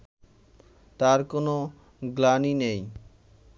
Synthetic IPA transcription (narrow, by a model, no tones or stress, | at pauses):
t̪aɾkono | ɡlaninej